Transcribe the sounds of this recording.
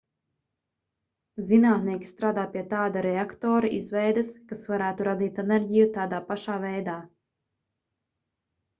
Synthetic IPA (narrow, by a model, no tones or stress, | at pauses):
zinaːt̪niɛkʲi̥st̪ɾaːd̪aːpiɛt̪aːd̪aɾɛakt̪ɔːɾaʔizvɛjd̪ɐskasvaɾæːt̪uɾad̪iːt̪ɛnɛɾʲɟijut̪aːd̪aːpaʃaːvɛjd̪aː